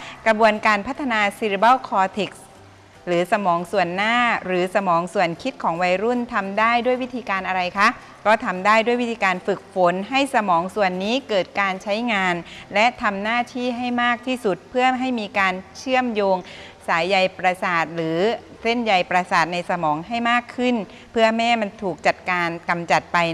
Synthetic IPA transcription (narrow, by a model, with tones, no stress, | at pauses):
kɾa˧bu˧ənkaː˧npʰa˦˥t̪ʰːa˧naː˧si˧ɾi˧ba˥˩wkʰɔː˧t̪ʰe˨˩k̚s | ɾɯː˩˦sa˧mɔː˩˦ŋsu˨˩ənːaː˥˩ɾɯː˩˦sa˧mɔː˩˦ŋsu˨˩ənkʰi˦˥t̪̚kʰɔː˩˦ŋwa˧jɾu˥˩nt̪ʰa˧mdaː˥˩jdu˥˩əjwi˦˥t̪ʰiː˧kaː˧nʔa˧ɾa˧jkʰa˦˥ʔ | kɔː˥˩t̪ʰa˧mdaː˥˩jdu˥˩jwi˦˥t̪ʰiː˧kaː˧nfɯ˨˩k̚fo˨˦nɦa˥˩jsa˧mɔː˩˦ŋsu˨˩ənːiː˦˥kɤː˨˩t̪̚kaː˧nt͡ɕʰa˦˥jŋaː˧nlɛ˦˥ʔt̪ʰa˧mnaː˥˩t̪ʰiː˥˩ɦa˥˩jmaː˥˩k̚t̪ʰiː˥˩su˨˩t̪̚pʰɯ˥˩əɦa˥˩jmiː˧kaː˧nt͡ɕʰɯ˥˩əmjoː˧ŋ | saː˩˦jːa˨˩jpɾa˧saː˨˩t̪̚ɾɯː˩˦ | se˥˩nja˨˩jpɾa˧saː˨˩t̪̚na˧jsa˧mɔː˩˦ŋɦa˥˩jmaː˥˩kʰːɯ˥˩n | pʰɯ˥˩ɐmɛː˥˩ma˧nt̪ʰuː˨˩k̚t͡ɕa˨˩t̪̚kaː˧nka˧mt͡ɕa˨˩t̪̚pa˧j